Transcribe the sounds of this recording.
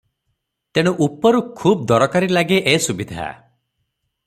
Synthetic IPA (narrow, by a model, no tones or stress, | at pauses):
t̪eɽ̃uʔupɔɾukʰuːb̚d̪ɔɾɔkaɾilaɡeʔesubid̪ʱa̰